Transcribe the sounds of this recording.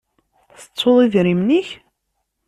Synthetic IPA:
θə̥t͡sˤːoðˤiðɾimniç

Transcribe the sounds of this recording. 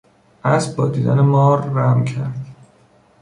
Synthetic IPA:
ʔæs̚bɒ̰ːd̪iːd̪æ̰nemɒːɾːæmcʰæɾd̪̥

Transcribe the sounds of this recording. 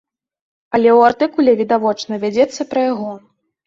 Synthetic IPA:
ɐlʲɛwart̪ɨkulʲɛvʲid̪avɔt͡ʂnɐvʲad͡zʲɛt̪sːɐpɾɐjaɣɔ

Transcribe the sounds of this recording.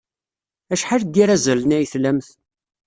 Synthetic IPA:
æʃħald̪iɾæzəlnæjəθlæmθ

